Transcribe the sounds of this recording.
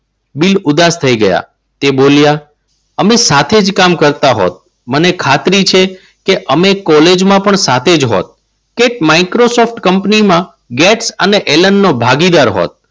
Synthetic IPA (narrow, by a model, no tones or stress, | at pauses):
bilʊd̪ast̪ʰəiɡəja̰ | t̪ebolja | əmesat̪ʰed͡ʒkamkəɾt̪aɦo̰t̪̚ | mənekʰat̪ɾit͡ʃʰe | keʔəmekɔled͡ʒmãpəɳsat̪ʰed͡ʒɦo̰t̪̚ | keʈmaikɾosɔfʈkəmpnimã | ɡɛʈsəneʔelənːobʱaɡid̪aɾɦo̰t̪̚